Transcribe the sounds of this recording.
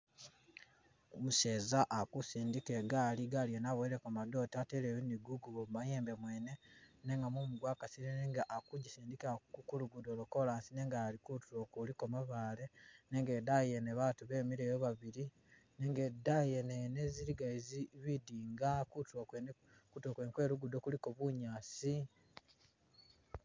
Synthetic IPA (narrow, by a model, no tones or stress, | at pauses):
omuse̞ːzaʔakusiːndikeɡaliɡaːljenaβweɾekomado̞tatelejeniɡuɡuɡomumajeːmbe̞mweːne̞ne̞ŋɡamumuɡwaːkasiɾeneŋɡaʔakuɟisiːndikakukuluɡudoluko̞laːnsine̞ːŋɡalikutuɾokulikomaβaːle̞neŋɡedajeneβatuβe̞ːmiɾe̞ːjoβaβiɾi | neŋɡedajeneneziɾiɡaiziβidiːŋɡakutoen | kutokweːŋkwe̞ːluɡudokulikoβuɲaːsi